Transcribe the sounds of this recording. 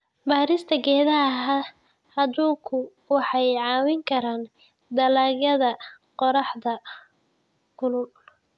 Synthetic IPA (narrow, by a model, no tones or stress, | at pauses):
baːɾɪst̪ʰɐɡɛːðɐɦɐ | hɐd̪uːkʰʊ | wɑħɑjʕɑːwɪŋkʰɐɾaːn | d̪ɐlaːɣɐðɐ | qɔɾɑħðɐ | kʰʊlʊl